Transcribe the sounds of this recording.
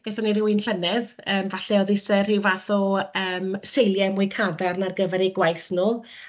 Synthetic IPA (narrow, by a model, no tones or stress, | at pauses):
b̥aθɔniɾɪwɨnɬɛnɛð | əːmvaɬɛɔðɪsɛr̥ɪwvaθɔəːmsejlˠjɛmʊɨjkʰadarnarɡəvɛɾiɡwajθnuː